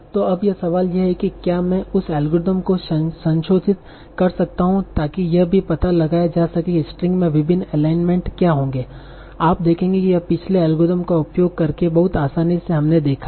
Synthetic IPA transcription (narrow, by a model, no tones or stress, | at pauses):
t̪oːɐbjɐsɐʋaːljeɦɛkikjaːmɛ̃ʊsɛːlɡoːɾɪd̪əmkoʃɐsɐ̃nʃoːd͡ʒɪt̪̚ | kɐɾsɐk̚t̪aɦũt̪aːkijɐɦbʱipɐt̪alɐɡaːjad͡ʒaːsɐkiɪsʈɾɪ̃ŋɡmẽʋɪbʱɪnːɛːlaːɪnmẽɳʈkjaːɦõːŋɡeː | aːpd̪eːkʰẽːŋɡekijɐpɪt͡ʃʰleɛːlɡoɾɪd̪əmkaʊpjoːɡ̚kɐɾkebɐɦʊt̪aːsaːniseɦɐmned̪eːkʰa